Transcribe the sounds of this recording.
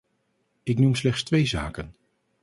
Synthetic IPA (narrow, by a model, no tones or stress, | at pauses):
ɪknumslɛχtstʋejza̰ːkən